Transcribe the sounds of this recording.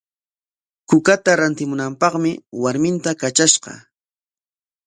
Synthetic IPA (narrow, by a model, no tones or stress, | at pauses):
kʊkat̪aɾant̪ɪmʊnampɑχmɪwaɾmɪnt̪akat͡ʃaʃqɑ̰